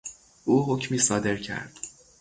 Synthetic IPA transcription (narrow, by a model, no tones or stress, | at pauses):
ʔuːɦo̞cʰmiːsɒːd̪e̞ɾcʰæ̰ɾd̪̥